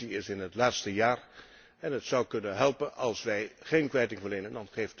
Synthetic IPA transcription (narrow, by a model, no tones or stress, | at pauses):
iɪsɪnətlaːtstəjaːɹ | ɛnɦətsʌwkɵnənɦɛlˠpənɑ̰lˠsʋɛjχejnkʋɛjtɪŋvəɹlejnəndɑnχejft